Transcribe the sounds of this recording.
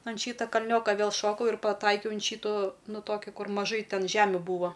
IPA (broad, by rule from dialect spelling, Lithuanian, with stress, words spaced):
ɐn ˈʃʲiːtɐ kɐˈlʲnʲoːkɐ ˈʋʲeːlˠ ˈʃoːkɐʊ ɪr pɐˈtɐɪkʲɛʊ ɐn ˈʃʲiːtʊ ˈnʊ ˈtoːkʲɪ ˈkʊr mɐˈʒɐɪ ˈtʲɛn ˈʒʲæːmʲʊ ˈbuːʋoː